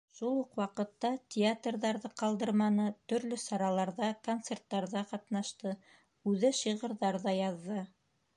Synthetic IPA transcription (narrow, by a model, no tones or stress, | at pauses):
ʃulˠuqwɑqɤ̆t̪ːɑtʲɪat̪rðɑɾðɤqɑlˠd̪ɤ̆ɾmɑnɤt̪ɵ̆ɾlɵsɑɾɑlˠɑɾðɑkont̪sert̪ːɑɾðɑqɑt̪nɑʃt̪ɤ | ʉðɘʃiʁɤ̆ɾðɑɾðɑjɑðːɤ